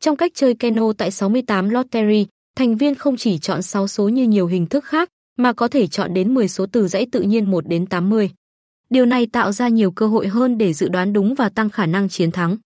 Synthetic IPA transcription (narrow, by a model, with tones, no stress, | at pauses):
t͡ɕɔ˧wŋ͡mka˦˥k̚t͡ɕəː˧jkɛ˧no˧t̪a̰ː˧˨jsa˨˦wmɨ˧əjt̪aː˨˦mlɔ˦˥t̚t̪ɛ˧zi˧ | t̪ʰɛ˨˩ŋ̟vi˧ənxə˧wŋ͡mt͡ɕi˧˩t͡ɕɔ̰˧˨nsa˨˦wso˨˦ɲɨ˧ɲi˨˩əwɦï˨˩ŋ̟t̪ʰɨ˦˥k̚xaː˦˥k̚ | maː˨˩kɔ˨˦t̪ʰe˧˩t͡ɕɔ̰˧˨nɗe˨˦nmɨ˨˩əjso˨˦t̪ɨ˨˩zə̰˧˥jt̪ɨ̰˧˨ɲi˧ənmo˨˩t̚ɗe˨˦nt̪aː˨˦mːɨ˧əj | ɗi˨˩əwna˨˩jt̪a̰ː˧˨wzaː˧ɲi˨˩əwkəː˧ɦo̰˧˨jɦəː˧nɗe˧˩zɨ̰˧˨ɗwaː˨˦nɗʊ˨˦ŋ͡mvaː˨˩t̪a˧ŋxaː˧˩na˧ŋt͡ɕi˨˦ənt̪ʰa˨˦ŋ